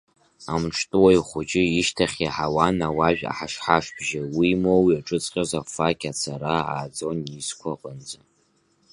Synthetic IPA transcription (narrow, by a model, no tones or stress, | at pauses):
amʈ͡ʂʰtʼɨwaiχʷʊd͡ʒʼɪiʃtʰaχʲiħawanawaʒᶣa̰ħaʂħaʂbʒawimowiaʈ͡ʂʼɨt͡sʼqʲʼazafakʰʲat͡sʰaɾaa̰ːd͡zo̞niskʷʰaqʼənd͡za